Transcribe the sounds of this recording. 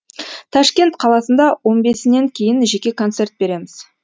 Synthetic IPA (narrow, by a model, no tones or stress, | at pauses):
t̪ʰɑʃkʲe̞nt̪qʰɑlˠɑsənd̪ɑwo̞nbe̞sɪne̞ŋkʲʰe̞jɪnʒe̞kʲe̞kʰont̪se̞rt̪̚be̞ɾe̞mɪz̥